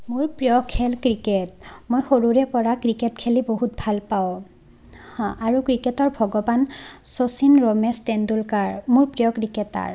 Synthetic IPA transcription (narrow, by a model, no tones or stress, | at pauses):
mʊɹpɹijɔkʰɛlkɹiketmojxoɹuɹɛpɔɹakɹiketkʰeliboɦutbʱalpaõ | haɹukɹiketɔɹbʱɔɡɔbansosinɹomɛstendulkaɹmuɹpɹijɔkɹikɛta̰ɹ